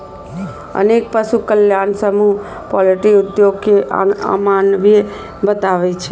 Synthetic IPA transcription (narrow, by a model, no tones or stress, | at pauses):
ə̰nek̚pəʃukəljansəmu | pɔləʈiʊd̪joɡkea̰manʋie | bət̪aʋet͡ʃʰe